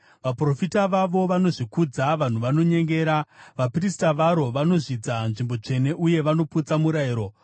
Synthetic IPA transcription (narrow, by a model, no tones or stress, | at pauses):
ʋapro̞fitaʋaʋo̞ʋano̞ʐikud͡zaʋan̤uʋano̞ɲe̞ŋɡe̞ːɾaʋaprisi̥taʋaɾo̞ʋano̞ʐid͡zanʐimbo̞t͡ʂe̞ne̞ʔuje̞ʋano̞put͡samuɾaiːɾo̞